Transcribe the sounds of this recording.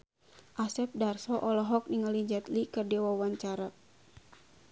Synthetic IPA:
ʔasɛp̚darsɔʔɔlɔɦɔk̚niŋaliɲd͡ʒat̪likɨrdiawawaɲt͡ʃaɾa

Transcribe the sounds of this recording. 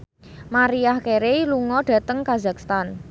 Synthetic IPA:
maɾiahkeɾeluŋɔɖ̥ä̤t̪əŋkaza̤k̚st̪an

